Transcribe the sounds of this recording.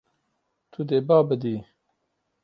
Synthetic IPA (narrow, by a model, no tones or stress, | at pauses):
t̪ʰud̪eːbaːbəd̪iː